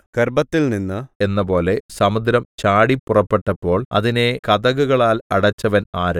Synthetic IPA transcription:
kerbɐt̪ːilninːɨenːɐpo̞ːle̞sɐmud̪ɾɐmt͡ɕaːɽipːurɐpːe̞ʈːɐpːo̞ːɭɐ̰ðine̞kɐd̪ɐɣuɣɐɭaːlɐɽɐt͡ɕːɐʋɐnaːɾɐ

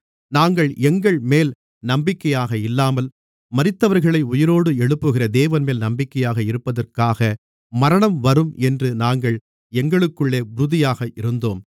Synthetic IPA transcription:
naːŋɡɐɭɛŋɡɐɭmeːl | nɐmbɪkːɐjaːɣɐɪlːaːmɐl | mɐɾɪt̪ːɐʋɐɾɣɐɭɐɪʊjɪɾoːɽɯɛɭɯpːɯɣɪrɐd̪eːʋɐnmeːlnɐmbɪkːɐjaːɣɐɪɾɯpːɐðɐrkaːɣɐ | mɐɾɐɳɐmʋɐɾɯmɛndrɯnaːŋɡɐɭ | ɛŋɡɐɭɯkːɯɭːeːʋʊɾʊðɪjaːɣɐʔɪɾɯnd̪oːm

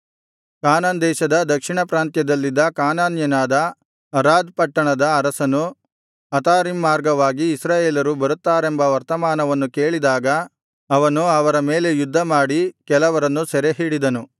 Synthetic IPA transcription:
kaːnaːnd̪ɛːʃɐd̪ɐd̪ɐkʂiɳɐpɾaːnt̪jɐd̪ɐlːid̪ːɐkaːnaːnjɐnaːd̪ɐ | ɐɾaːd̪pɐʈːɐɳɐd̪ɐːɾɐsɐnu | ɐt̪aːɾimːaːɾɡɐʋaːɡiːsɾaːjeːlɐɾubɐɾut̪ːaːɾe̞mbɐʋɐɾt̪ɐmaːnɐʋɐnːuke̞ːɭid̪aːɡɐ | ɐʋɐnuɐʋɐɾɐmeːle̞jud̪ʱːɐmaːɽikɛlɐʋɐɾɐnːusɛɾeɦiːɽid̪ɐnu

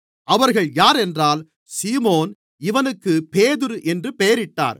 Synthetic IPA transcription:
ʔɐʋɐɾɣɐɭjaːɾɛndraːl | siːmoːn | ɪʋɐnɯkːɯpeːðɯɾɯʔɛndrɯpeːɐɾɪʈːa̰ːɾ

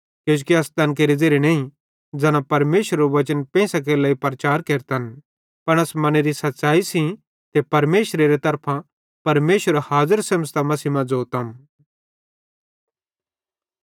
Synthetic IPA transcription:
kjõːd͡ʒukiɐst̪ɐnk̬eːɾid͡zeːɾenɐ̃ːĩ | d͡zɐnãpɐɾmeːʃəɾeɾoʋɐt͡ʃənpɛ̃ːsak̬elaːipɾɐt͡ʃaːɾkeːɾt̪ɐn | pɐɽ̃ɐsmɐñeɾisɐt̪ːʃaːisĩ | t̪epɐɾmeːʃɾeɾet̪ɐɾpʰã | pɐɾmeːʃəɾahaːzəɾsɐməst̪amɐsimɐ̃d͡zoːt̪ɐm

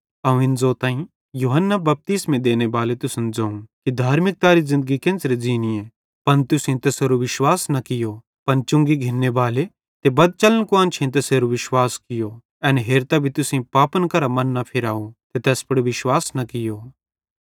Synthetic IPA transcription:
ɐũɪnzoːt̪ãːĩ | juːɦənːabɐp̚t̪iːsmẽd̪eːnebaːlet̪ʊsɐnd͡zaːũkid̪ʱaːɾmɪk̚t̪aːɾizɪ̃nd̪əɡikẽnsɾed͡ziːniẽ | pɐnt̪ʊsĩt̪ɐseɾuʋɪʃwaːsnɐkɪjo | pɐnt͡ʃʊ̃ŋɡiɡʱɪnːebaːle | t̪ebɐd̪̚t͡ʃɐlənkoɐ̃nt͡ʃʰẽt̪ɐseːɾuʋɪʃwaːskɪjo | ɛːnɦeːɾt̪abʱit̪ʊsĩpaːpənkɐɾamɐnːɐpʰɪɾaːũt̪et̪ɛːspɐɽoʋɪʃwaːsnɐkɪjoː

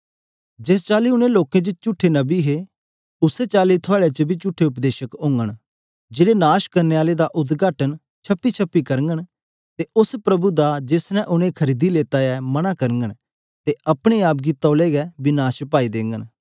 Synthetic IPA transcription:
d͡ʒeːst͡ʃaːliʊnẽloːkẽd͡ʒɪt͡ʃʊʈʰːenɐbiɦe | ʊset͡ʃaːlit̪ʰʊaːɭeat͡ʃəbʱiːt͡ʃʊʈʰːeʊp̬d̪eːʃəkʊ̃ːŋɡəɽ̃ | d͡ʒɪlenaːʃkɐɾneːaːled̪aʔʊt̪ɡaːʈən | t͡ʃʰɐpːit͡ʃʰəpːikɐɾŋɡən | t̪eʊspɾɐbud̪ad͡ʒɪsnɛ̃ʔʊñẽkʰəɾiːd̪ileːt̪aɛmɐñakɐɾəŋɡəɽ̃ | t̪eɐpɽ̃eaːpɡit̪ɔːleːɡɛbɪnaːʃpaːid̪ẽːŋɡən

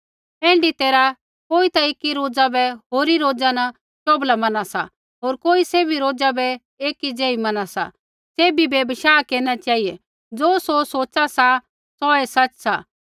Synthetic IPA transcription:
ɛ̃ːɳɖit̪eːɾa | koːit̪ɐeːkːiɾoːd͡ʒabɛɦoːɾiɾoːd͡zanɐ | t͡ʃoːblamɐnasa̰ | ɦoːɾkoːiseːbiɾoːd͡zabɛ | eːkid͡ʒɛːimɐnasa̰ | seːbibjebəʃaːkeːnat͡ʃaːɦijɛ | d͡zoːsosoːt͡ʃasa | sɔɛsɐt͡ʃsa̰ː

